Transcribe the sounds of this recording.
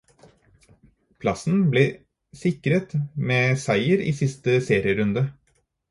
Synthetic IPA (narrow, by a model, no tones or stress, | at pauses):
pʰlɑsn̩bleː | sɪkɾət̪meːsæɪəɾḭːsɪst̪əseːɾɪəɾʉnd̪ə